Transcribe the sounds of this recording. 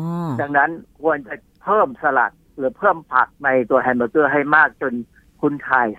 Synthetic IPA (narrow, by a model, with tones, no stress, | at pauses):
da˧ŋna˦˥nkʰu˧ənt͡ɕa˨˩ | pʰɤː˥˩msa˧la̰˨˩t̪̚ɾɯː˩˦pʰɤː˥˩mpʰa˨˩k̚na˧jt̪u˧ɐɦɛ˧˩nbaː˧˩kɯ˥˩ɐɦa˥˩jmaː˥˩k̚t͡ɕo˧n | kʰu˦˥nt̪ʰaː˧j